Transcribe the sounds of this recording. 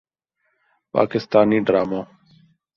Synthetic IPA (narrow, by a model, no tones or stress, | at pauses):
pa̰ːkɪst̪aːniːɖɾaːmaː